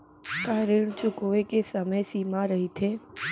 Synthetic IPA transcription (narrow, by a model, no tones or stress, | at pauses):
kaɾeɳ̃t͡ʃʊkoʋekesəməjsimãɾəɦit̪ʰe